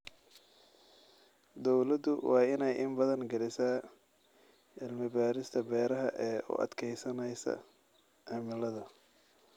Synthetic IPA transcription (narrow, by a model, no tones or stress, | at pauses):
d̪ɔwlɐd̪ʊwɑːɪnɛjʔɪmbɐðɐnɡɐlɪsaː | ɪlmɪbaːɾɪst̪ʰɐbɛːɾɐɦɐʔɛːʔʊ̰ʔɐ̰d̪kʰɛjsɐnɛjsɐ̰ | ʔamɪlɐðɐ